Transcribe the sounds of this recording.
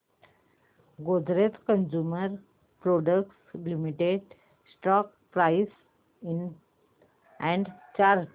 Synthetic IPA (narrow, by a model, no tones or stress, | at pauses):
ɡod̪ʱɾet̪kənd͡ʑuməɾ | pɾoɖək̚ʈslimiʈeɖ | sʈɔk | pɾais | in | ɛ̃ɳɖt͡ɕaɾ